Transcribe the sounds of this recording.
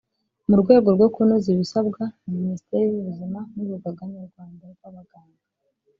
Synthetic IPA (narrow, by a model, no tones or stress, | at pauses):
muɾɡwe̞ːɡo̞ɾɡo̞kunoziβisabɡanaminisi̥teɾiβuβuzimanuuɡaɡaɲuɾɡwaːndaɾɡwaβaɡaːŋɡa